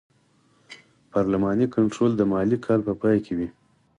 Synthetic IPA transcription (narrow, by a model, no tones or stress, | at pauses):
pɑɾlamɑnikaɳʈɾold̪əmɑlikʰɑlpəpɑjkʰewi